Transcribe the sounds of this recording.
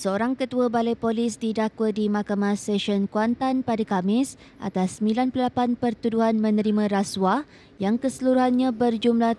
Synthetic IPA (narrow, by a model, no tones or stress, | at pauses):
səoɾaŋkət̪uabalajpolisdidakwədimãkamãsɛʃɔnkuant̪anpadakamɪs | ʔa̰t̪asːəmbilanpləlapanpərt̪uduɦanmə̃nəɾimãɾaswa | jaŋkəsəluɾuɦanɲãbərd͡ʒumla